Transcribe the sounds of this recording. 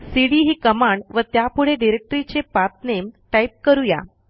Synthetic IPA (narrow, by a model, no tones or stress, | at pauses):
siɽiɦiːkəmaɳɖʋət̪japuɽ̤eɖiɾek̚ʈəɾit͡ɕepat̪̚nemʈaip̚kəɾuja̰